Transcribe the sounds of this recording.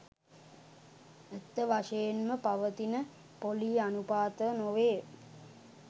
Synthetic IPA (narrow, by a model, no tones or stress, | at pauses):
ət̪ːəʋaʂəjenməpaʋət̪inə | poliːanupaːt̪ənoʋeː